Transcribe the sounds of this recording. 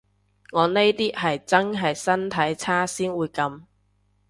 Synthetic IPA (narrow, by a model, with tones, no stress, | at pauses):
ŋɔː˨˧ne˥jt̪iː˥ɦɐ˨jt͡sɐ˥nɦɐ˨jsɐ˥nt̪ʰɐ˨˥jt͡sʰaː˥siː˥nwuː˨˧jkɐ˧m